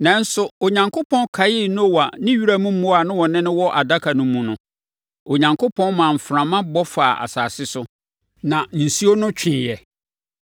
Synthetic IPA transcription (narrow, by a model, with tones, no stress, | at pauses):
nã˨˦n̩˦sʊ˦o˨ɲã˨ŋkʰo˦pʰɔ̃˦nkʰa˨jɪ˦n˦˨wa˨nɪ̃˦ɥi˦ɾa˦mũ˦mũ˦a˨nʊ̃˦wɔ˨nɪ̃˦nʊ̃˦wɔ˦ʔa˨da˦kʰa˨nʊ̃˦mũ˨nʊ̃˦ | o˨ɲã˨ŋkʰo˦pʰɔ̃˦nmãː˨m̩˨fɾã˨mã˦bɔ˦faː˨ʔa̰˨saː˨sɪ˦sʊ˦ | nã˨n̩˨si˦o˦nʊ̃˦t͡ɕᶣɪ̃˨jɛ˨